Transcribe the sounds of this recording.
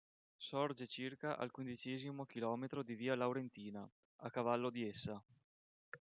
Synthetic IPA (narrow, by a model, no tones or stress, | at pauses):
sɔrd͡ʒet͡ʃirkaʔa̰lkwind̪it͡ʃɛːzimok̟ilɔːmet̪ɾod̪iviːalawɾent̪iːna | akːavalːod̪iesːa